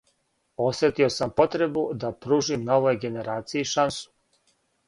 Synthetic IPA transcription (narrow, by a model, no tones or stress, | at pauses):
o̞sʋet̪io̞sampo̞t̪ɾe̞bud̪apɾuːʒimnaoʋojɡe̞ne̞ɾaːt̪sijiːʃansu̥